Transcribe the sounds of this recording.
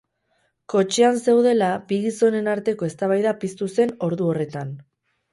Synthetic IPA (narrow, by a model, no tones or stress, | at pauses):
ko̞t͡ʃeanse̞wðe̞labiɣiso̞ne̞naɾt̪e̞ko̞e̞st̪aβ̞ajðapist̪use̞no̞ɾðuo̞re̞t̪an